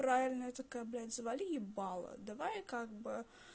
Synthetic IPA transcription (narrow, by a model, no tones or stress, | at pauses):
ɾavʲɪlʲnəɛt̪ɐkɐblʲæt̪ʲzvalʲiɪbɑlˠə̰d̪ɐvajkaɡ̚bɨ